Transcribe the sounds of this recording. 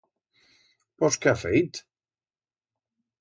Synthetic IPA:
pɔskeafejt̪

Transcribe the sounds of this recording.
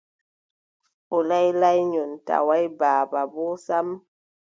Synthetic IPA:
ʔɔlajlajɲɔnta̰wajbaːbabɔsam

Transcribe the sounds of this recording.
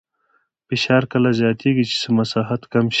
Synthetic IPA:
piʃaːɾkɐlɐzjaːt̪eːɡit͡ʃʰi̥semɐsaːɦɐt̪kɐmʃ

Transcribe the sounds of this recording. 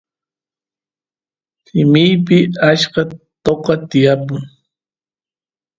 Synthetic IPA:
sɪmɪjp̬ɪaʃkɑt̪oqɑt̪ɪjapʊŋ

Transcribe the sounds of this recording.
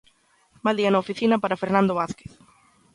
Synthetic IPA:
mald̪iɐnɐofiθinɐpaɾafeɾnãnd̪oβaθke̥θ

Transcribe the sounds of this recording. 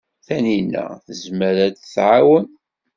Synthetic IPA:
θæninːæ̰θəzməɾæd̪θʕawən

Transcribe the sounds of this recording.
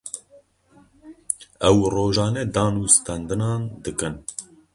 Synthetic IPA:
ɛwroːʒɑːnɛd̪ɑːnuːst̪ɛnd̪ɨnɑːnd̪ɨkɨn

